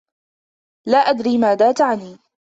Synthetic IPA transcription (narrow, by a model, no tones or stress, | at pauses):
laːʔad̪ɾiːmaːðaːt̪aʕaniː